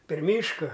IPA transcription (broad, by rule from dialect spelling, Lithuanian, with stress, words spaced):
pʲɛr ˈmʲiːʃkɐ